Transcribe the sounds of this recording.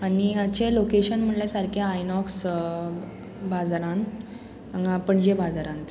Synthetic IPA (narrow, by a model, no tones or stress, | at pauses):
aniət͡ɕelokeɕənm̤əɳljasaɾkʰjaajnɔks | bad͡zaɾãn | əŋɡãpəɳd͡ʑebad͡zaɾãnt̪